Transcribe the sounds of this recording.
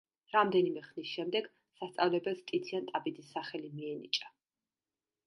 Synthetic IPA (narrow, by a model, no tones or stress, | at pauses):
ɾamd̪ɛnimɛχnisʃɛmd̪ɛɡ | sast̪sʼavlɛbɛlˠst̪ʼit̪sʰiant̪ʼabid̪isːaχɛlimiɛnḭt͡ʃʼa